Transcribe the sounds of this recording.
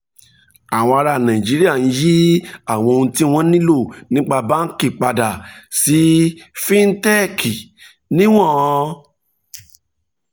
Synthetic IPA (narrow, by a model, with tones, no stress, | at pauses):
a˨w̃ɔ̃˧a˧ɾa˧˨nã˨ĩ˨d͡ʒi˨˦ɾi˦a˦˨n̩˦ji˦a˦˨w̃ɔ̃˧o˧ũ˧ti˦w̃ɔ̃˦nĩ˦lo˦˨nĩ˦k͡pa˧ba˦n̩˦ki˦˨k͡pa˧da˨si˨˦fĩ˦n̩˦tɛ˦kʰi˨ | nĩ˦w̃ɔ̃˦˨˧